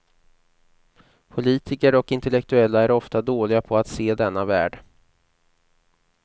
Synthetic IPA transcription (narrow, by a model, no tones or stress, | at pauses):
pʰʊliːt̪ʰɪkəɾɔkɪnt̪ɛlɛkt̪ɵɛlːaæɾɔft̪ad̪oːlɪɡapʰɔat̪seːd̪ɛnːavæ̰ːɖ